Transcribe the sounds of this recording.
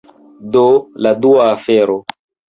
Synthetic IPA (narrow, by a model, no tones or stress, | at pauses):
doladuaːfɛɾo